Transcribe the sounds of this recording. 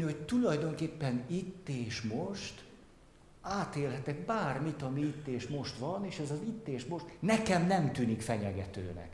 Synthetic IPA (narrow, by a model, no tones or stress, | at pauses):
hot̪ulɒjd̪o̞ŋkeːpːɛnit̪ːeːʃmoʃt̪ | aːt̪eːlɦɛt̪ɛk̚baːrmit̪ɒmiit̪ːeːʃmo̞ʃt̪ʋɒneːʃɛzɒzit̪ːeːʃmo̞ʃt̪nɛkɛmnɛmt̪yːnikfɛɲɛɡɛt̪ø̰ːnɛ̰k